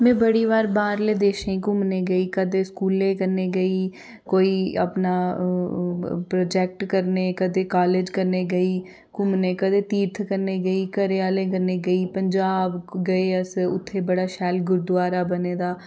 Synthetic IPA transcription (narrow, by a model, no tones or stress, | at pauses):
mɛ̃ːbəɽiːʋaːɾbaːɾleːd̪eːʃẽikʊmneːɡəiːkəd̪eːskuːlẽːkəɾneːɡəiː | koːiːə̰pnaː | pɾoːd͡ʒɛːk̚ʈkəɾneːkəd̪eːkaːleːd͡ʒkəɾneːɡəiː | kʊmneːkəd̪eːt̪iːɾt̪ʰkəɾneːɡəiːkəɾeːaːlẽːkəɾneːɡəiːpəɲd͡ʒaːbɡəeːəsʊ̰t̪ʰːeːbəɽaːʃɛːlɡʊɾd̪ʊaːɾaːbəneːd̪aː